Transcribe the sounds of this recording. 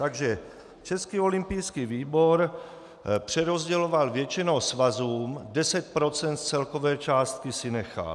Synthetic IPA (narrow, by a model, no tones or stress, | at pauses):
t̪aɡʒɛ | t͡ʃɛskiːo̞limpijskiːviːboɾ | pr̝̥ɛɾozɟɛlovalvjɛt͡ʃinowsvazuːmdɛsɛt̪̚pɾot͡sɛnt̪t͡sɛlkovɛːt͡ʃaːst̪kisɪnɛxa̰l